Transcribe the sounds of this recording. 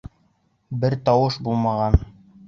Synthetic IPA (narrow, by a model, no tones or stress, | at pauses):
bɘɾt̪ɑwɤʃbulˠmɑʁɑn